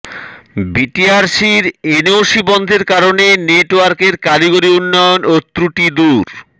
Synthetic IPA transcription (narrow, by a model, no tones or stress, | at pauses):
biʈiaɾsiɾeneoʃibɔnd̪ʱeɾkaɾoneneʈowaɾkeɾkaliɡoɾiunːɔjonot̪ɾuʈid̪uɾ